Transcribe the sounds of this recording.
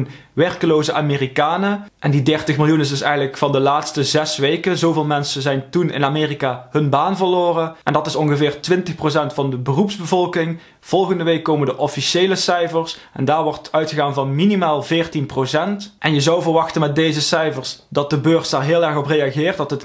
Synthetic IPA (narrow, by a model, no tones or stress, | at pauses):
n | ʋɛrkəloːwzəʔaːmeːrikaːnəʔɛndidɛrtəxmɪlˠjunɪs̬dɪsɛ̰jɣənləkfɑndəlaːtstəzɛsʋejkəzowvɪːlˠmɛnsəzɛjntunɪ̰naːmɪːrikaːhɵnbaːnvəɹloːrəʔɛndɑtɪsɔnɣəvɪːrtʋɪntəxpros̬ɛntfɑndəbərupzbəvɔlˠkɪŋ | v̥ɔlˠɣəndəʋejkːoːməndəʔɔfiʃejləsɛjvəɹsɛ̰ndaːɹʋɔɹtœɥtxəɣaːnvɑnminimaːlˠvɪːɹtinprosɛntʔɛnjəzɑwvərʋɑxtənmɛt̚dejzəsɛjfəɹsdɑt̚dəbøːɹsdaːɹɦɪːlˠɛɹxɔprejaɣɪːrt̚dɑtət